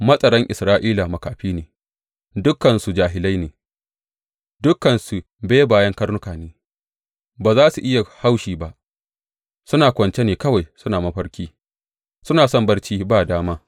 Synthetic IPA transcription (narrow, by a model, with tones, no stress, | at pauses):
mɐ˦sʼɐ˨ɾɐ˦ŋʔɪ˨sɾaː˦ʔiː˦la˨mɐ˨kaː˨ɸiː˦neː˨ | dʊ˦kːɐ˨nsu˨d͡ʒaː˨ɦɪ˨la˦jneː˨ | dʊ˦kːɐ˨nsu˨ | beː˦baː˨jɐ˦ŋkɐ˦rnʊ˦kaː˨neː˨˦ | baː˨zaː˦su˨ʔɪ˦ja˨ha˦wʃiː˨ba˦ʔ | sʊ˦naː˨kʷɐ˨nt͡ʃe˦neː˨kɐ˦wa˨jsʊ˦naː˨mɐ˦ɸɐ˦ɽkʲiː˦ | sʊ˦naː˨sɔ˦˨mbɐ˦ɽt͡ʃiː˦baː˦˨daː˦maː˦